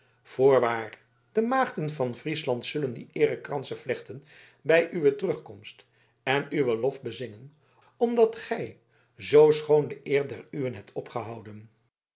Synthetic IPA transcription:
v̥ʊːɹʋaːr | d̥əmaːχdənvɑnvrislɑntsɵləndḭʔɪːrəkrɑnsəvlɛχtən | bɛjʔyʋətərɵχkɔmst | ɛnyʋəlɔfbəzɪŋən | ɔmdɑtχɛj | zowsχowndəʔɪːrdɛryʋənɦɛp̚tʰɔpχəɦɑwdən

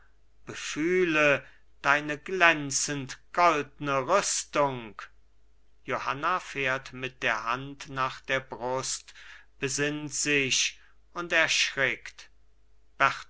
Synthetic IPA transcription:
b̥əfyːlə | d̥aɪnəɡlɛnt͡səntɡ̥ɔldnəʁʏstʊŋk | johanafeːɐtmɪt̚d̥eːɐhantnaːχd̥eːɐbʁʊstb̥əzɪntz̥ɪɕ | ʊntɛɐʃʁɛkt | b̥ɛʁt

